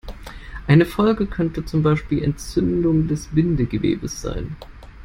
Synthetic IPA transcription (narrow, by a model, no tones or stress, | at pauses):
ʔaɪnəfɔlɡəkʰœntət͡sʊmbaɪʃpiːlɛ̰ntt͡sʏndʊŋdɛsb̥ɪndəɡəvḛːbəsz̥a̰ɪn